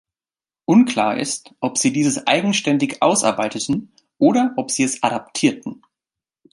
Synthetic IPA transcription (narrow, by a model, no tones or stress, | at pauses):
ʔʊnkʰl̥a̰ːɐʔɪ̰stʔɔpz̥iːdiːzəsʔa̰ɪɡŋ̩ʃtɛndɪçʔa̰ʊsʔa̰ɐbaɪtətn̩ | ʔoːɾɐʔɔpz̥iːɛsaɾaptʰiːɐtn̩